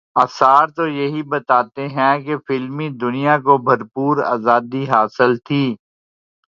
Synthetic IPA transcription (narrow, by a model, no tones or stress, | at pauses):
aːsaːɾt̪ojɐɦibɐt̪aːt̪eɦɛ̃kefɪlmid̪ʊnijakobʱɐɾpuːɾa̰ːzaːd̪iɦaːsəlt̪ʰiː